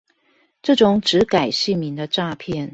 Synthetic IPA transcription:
ʈ͡ʂɤ˥˩ʈ͡ʂʊ˨˦ŋʈ͡ʂɻ̩˨˧˥ka˨˩ɪɕi˥˩mi˧˥nd̪ə˧ʈ͡ʂa˥˧pʰjɛ˥˩n

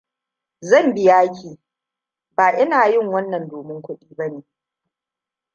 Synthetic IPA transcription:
zɐ˦˨mbɪ˦jaː˦kʲiː˨ | baː˨ʔɪ˦naː˨jɪ˦˨ŋwɐ˦nːɐ˨ndoː˨mɪ˦ŋkʷʊ˦ɗiː˦bɐ˦neː˨

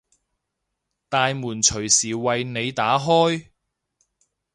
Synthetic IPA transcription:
t̪aː˨˧jmuː˨˩nt͡ʃʰɵ˨˩ɥsiː˨˩wɐ˨jne˨˧jt̪aː˨˥ɦɔː˥j

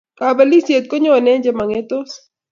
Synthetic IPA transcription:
ka˨ba˦li˦sje˨t̪̚ko˦ɲo˦˨nɛ˦ɲd͡ʒe˨ma˨ŋe˦t̪o˦s

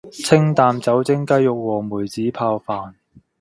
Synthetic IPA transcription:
t͡sʰɪ˥ŋt̪aː˨mt͡sɐ˨˥wt͡sɪ˥ŋkɐ˥jːʊ˨k̚wɔː˨˩muː˨˩jt͡siː˨˥pʰaː˧wfaː˨n

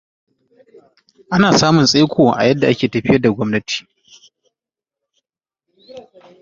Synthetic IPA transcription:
ʔa˦naː˨saː˦mʊ˨nsʼeː˦kʷʰoː˨ʔa̰˨jɐ˦dːa˨ʔa˦kʲeː˨tɐ˨ɸɪ˦jɐ˦rda˨ɡʷɔ˦mnɐ˦tʰi̥ː˨

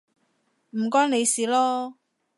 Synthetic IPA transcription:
m̩˨˩kɔː˥ŋne˨˧jsiː˨lɔː˦˥

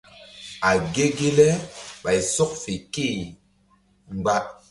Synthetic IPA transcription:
a˨ɡe˦ɡe˦lɛ˦ɓa˨jsɔ˦k̚fe˨ke˦˨ | ŋ͡mɡ͡ba˦

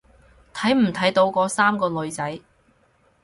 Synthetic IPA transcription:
t̪ʰɐ˨˥jm̩˨˩t̪ʰɐ˨˥jt̪o˨˧˥wkɔː˧saː˥mkɔː˧lɵ˨˧ɥt͡sɐ˨˥j

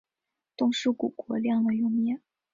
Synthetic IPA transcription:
t̪ʊ˥˧ŋʂu˥˩ku˨˩kwɔ˧˥ljɑ˥˩ŋd̪ə˨jʊ˥˩ŋmjɛ˥˩

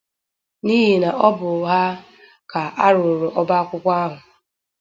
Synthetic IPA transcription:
ni˦ɦi˨na˨ɔ˦bʊ˨ɦa˦ | ka˨a˦ɾʊ˨ɾʊ˨ʔɔ˦ba˦kʷʊ˦kʷa˦ɦʊ˨

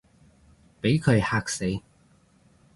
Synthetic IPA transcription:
pe˨˥jkʰɵ˨˧ɥhaː˧k̚se˨˧j

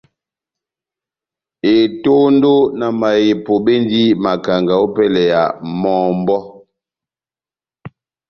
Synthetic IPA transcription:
e˨to˦n˦do˦na˨ma˨je˨po˨be˦n˦di˦ma˨ka˨ŋɡa˨o˦pɛ˦lɛ˨ja˨mɔː˦m˦bɔ˦

